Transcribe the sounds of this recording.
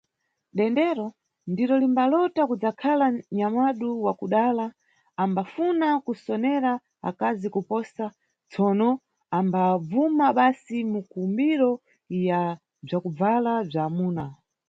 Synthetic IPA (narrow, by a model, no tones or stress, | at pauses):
ɗɛndɛɾɔ | ndiɾɔlimbalɔtakud͡zakʰalaɲamaɗuwakuɗalaː | mbafunakusɔnɛɾa | a̰kazikupɔsa | t͡sɔːnɔ | ambab͡vumaɓasimukumbiɾɔ | ja | b͡ʐakub͡valab͡ʐaːmuːna